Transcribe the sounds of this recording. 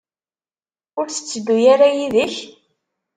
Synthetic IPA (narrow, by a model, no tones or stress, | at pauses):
ʊɾθə̥t͡sːəd̪ːujaɾajiðəç